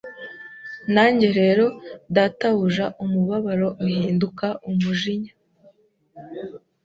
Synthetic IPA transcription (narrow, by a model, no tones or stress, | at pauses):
naːɲɟe̞ɾe̞ɾo̞dataβuʒaʔumuβaβaɾo̞mihiːndukaʔumuʒiɲa